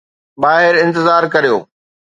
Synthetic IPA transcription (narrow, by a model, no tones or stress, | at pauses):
baːɦɪɾɪ̃nt̪ɪzaːɾkɐɾijo̰ː